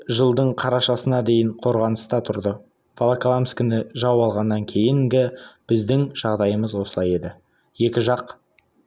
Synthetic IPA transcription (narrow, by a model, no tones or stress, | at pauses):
ʒəlˠd̪əɴqʰɑɾɑʃɑsənɑd̪e̞jɪɴqʰo̞ɾʁɑnəst̪ɑt̪ʰʊɾd̪ə | folˠaklˠamskʲɪnɪʒɑwɑlˠʁɑnːɑŋkʲʰe̞jɪŋɡʲɪb̥ɪzd̪ɪŋʒ̥ɑʁd̪ɑjəməzwo̞səlˠɑje̞d̪ɪ | je̞kʲɪʒɑq